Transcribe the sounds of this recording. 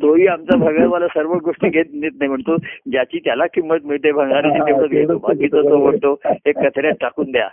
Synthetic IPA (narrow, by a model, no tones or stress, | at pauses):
t̪oʋiːamt͡sabʱəɡatʋalasəɾʋəɡoʂʈiːɡʱet̪̚net̪̚najm̤əɳt̪od͡ʑjat͡ɕiːt̪jalakʰiːmət̪̚m̤iɭt̪ebʱə̃ŋɡaɾitit̪eməd̪ɡet̪oba̰kiːt̪ot̪oʋəɽʈ̪oekːət̪ʰəɾjat̪̚ʈakuːnd̪eja̰